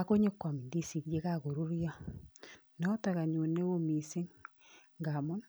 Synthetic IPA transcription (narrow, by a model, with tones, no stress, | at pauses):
a˨ko˦ɲe˦kwa˨mi˨ndi˦˨si˨ðje˦ka˦ko˨ɾu˦ɾja˦ | nɔ˦ta˨ka˨ɲu˨ne˦o˦mi˨se˦ŋ | ŋɡa˨mo˦n